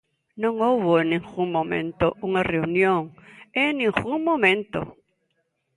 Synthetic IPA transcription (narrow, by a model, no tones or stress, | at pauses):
nõŋowβoenːĩŋɡuŋmõmḛ̃nt̪oʔuŋareunjõŋeŋnĩŋɣuŋmõmẽnt̪o̰